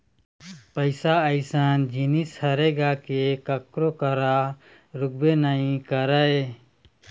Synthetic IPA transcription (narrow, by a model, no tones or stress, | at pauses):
pəɪsaəɪsand͡ʒinishəɾeɡakekəkɾokəɾa | ɾʊɡ̚benaĩkəɾəe